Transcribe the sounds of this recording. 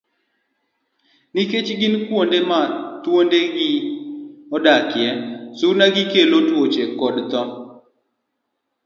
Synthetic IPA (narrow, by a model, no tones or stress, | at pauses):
niket͡ʃɡɪnkwondemat̪wondeɡɪ | ɔdakɪjɛsuɾnaɡɪkelotwot͡ʃekɔdt̪ɔ